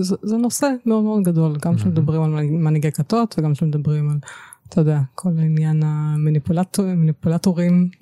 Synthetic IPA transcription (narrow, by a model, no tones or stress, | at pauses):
zzeno̞semeo̞d̪meodɡad̪o̞lɡamʃemed̪abʁimalamaniɡekat̪o̞t̪veɡamʃemed̪abʁimalat̪ʰajod̪eakʰo̞lainjanamanipulatmanipulat̪oʁim